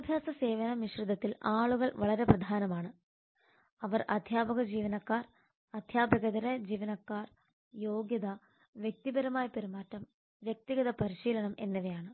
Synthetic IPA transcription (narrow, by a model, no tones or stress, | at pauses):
ɐbʱjaːsɐse̞ːʋɐnɐniɕrud̪ʱɐt̪ːilaːɭuɣɐɭʋɐɭɐɾe̞prɐd̪ʱaːnɐmaːɳɨ | ɐʋɐrʔɐ̰d̪ʱjaːbɐɣɐd͡ʑiːʋɐnɐkːaːr | ɐd̪ʱjaːbɐɣɐd̪ɐɾɐd͡ʑiːʋɐnɐkːaːr | jo̞ːɡjɐd̪ɐ | ʋjek̚t̪ibɐɾɐmaːjɐpeɾimaːtːɐm | ʋjek̚t̪iɣɐðɐpɐɾiɕiːlɐɳɐmʔe̞̰nːɐʋejaːɳɨ